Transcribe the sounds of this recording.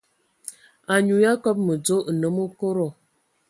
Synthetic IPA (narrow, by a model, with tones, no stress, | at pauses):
a˨ɲu˨ja˦kɔ˦p̚mə˨d͡zo˦ʔ̩˨nə˦mo˦ko˦ɾo˨